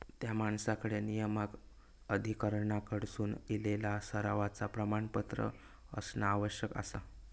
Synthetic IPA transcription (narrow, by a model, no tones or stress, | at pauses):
t̪jamaɳsakəɽenijəmak | əd̪ʱikəɾɳakəɽsuːnilelasəɾaʋat͡sapɾəmaɳpət̪ɾə̰ | ə̰snaːʋəɕjəka̰sa